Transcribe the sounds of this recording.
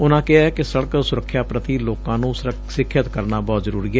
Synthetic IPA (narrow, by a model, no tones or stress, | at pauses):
ʊnãːkɪaːkɪsəɽəksʊɾəkʰːjaːpɾət̪iːloːkãːnũːs | sɪkʰːət̪kəɾnaːbɔːt̪zəɾuːɾiːɦɛː